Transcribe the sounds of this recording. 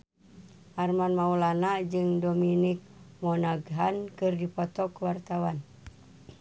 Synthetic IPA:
ʔarmanmaulanad͡ʒɨŋdominik̚mɔnaɡɦankɨrdipɔt̪ɔkwart̪awan

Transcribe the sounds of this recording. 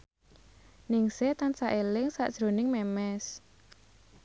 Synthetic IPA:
nɪŋset̪ansaʔelɪŋsa̰ʔd̥ʒ̥ɾo̤nɪŋmɛmɛs

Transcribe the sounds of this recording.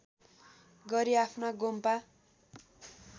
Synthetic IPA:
ɡʌɾiapʰnaɡompa

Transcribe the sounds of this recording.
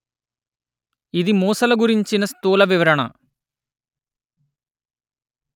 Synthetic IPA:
iðimoːsɐlɐɡuɾiɲt͡ʃinɐst̪uːlɐʋiʋɐɾɐɳɐ̰

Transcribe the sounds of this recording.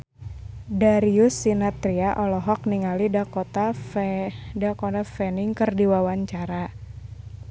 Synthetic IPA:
daɾiusːinat̪ɾiaʔɔlɔɦɔk̚niŋalidakɔt̪a | dakɔt̪afɛniŋkɨrdiwawaɲt͡ʃaɾa

